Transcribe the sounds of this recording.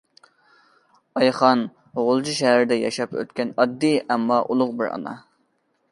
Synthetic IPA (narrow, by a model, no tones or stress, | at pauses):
ɑjχɑn | ʁʊlˠd͡ʒʰiʃɛɦæɾɪd̪ɛjɑʃɑpø̰t̪kʲɛnɑd̪ːiɛmːɑʔulˠʊqbɪɾɑ̰nɑ